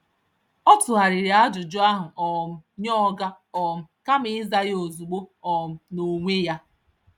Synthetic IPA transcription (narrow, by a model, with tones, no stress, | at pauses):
ɔ˦tʊ˨ɦa˨ɾɪ˨ɾi˨a˦d͡ʒʊ˨d͡ʒʊ˦a˦ɦʊ˨ʔɔ˨m̩˦˨ɲɔ˦ɡa˦ | ɔ˨m̩˨ka˦mɪ˦ɪ˦za˦ɣɪ˦o˨zu˨ɡ͡bo˦ɔ˨m̩˨no˨ŋʷe˦ja˦